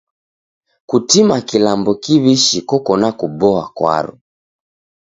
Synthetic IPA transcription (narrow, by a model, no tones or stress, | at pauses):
kutimakilambɔkiβiʃikɔkɔnakubɔakwa̰ɾṵ